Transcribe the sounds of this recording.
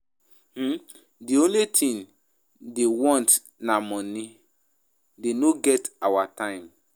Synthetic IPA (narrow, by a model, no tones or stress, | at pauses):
h̩ | diõnletʰĩn | dewɔ̃nt | namɔ̃nĩ | denoɡɛtawatãɪ̃m